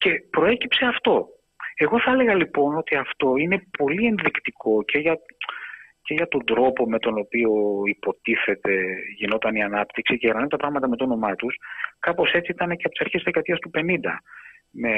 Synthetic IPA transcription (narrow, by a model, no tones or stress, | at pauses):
ce̞pɾo̞e̞cipse̞ɐft̪o̞ | e̞ɣo̞θɐle̞ɣɐlipo̞no̞t̪iɐft̪o̞ine̞po̞lie̞nðikt̪ikʰo̞cʰe̞ʝɐ | ce̞ʝɐt̪o̞nd̪ɾo̞po̞me̞t̪o̞no̞pio̞ipo̞t̪iθe̞t̪e̞ʝino̞t̪ɐniɐnɐpt̪iksiceɣenɐniot̪ɐpɾɐɣmɐt̪ɐme̞t̪ono̞mɐt̪uskɐpo̞se̞t͡siit̪ɐne̞ceɐpot̪isɐɾçeizðekɐt̪iɐst̪upe̞nind̪ɐ | me